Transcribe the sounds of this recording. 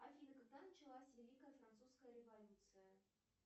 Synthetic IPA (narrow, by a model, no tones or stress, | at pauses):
akʲinəkəkd̪ɑnət͡ɕɪlˠasʲvʲelʲikəjəfɾant̪suskəjəɾʲɪvɐlʲut̪sɨjə